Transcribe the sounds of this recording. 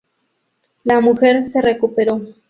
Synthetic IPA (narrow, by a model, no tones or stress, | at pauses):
lamuxeɾserekupeɾo